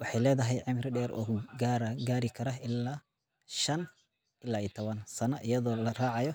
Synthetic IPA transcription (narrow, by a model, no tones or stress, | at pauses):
wɑħɑjlɛːðɐɦɛjʕɪmɾɪɖɛːɾʔɔ̰ːɡɾɡaːɾɪkʰɐɾɐɪlːaː | ʃɐn | ɪlːaːit̪ʰɔβɐnsɐnɐʔɪjɐðɔːlɐraːʕɑjɔ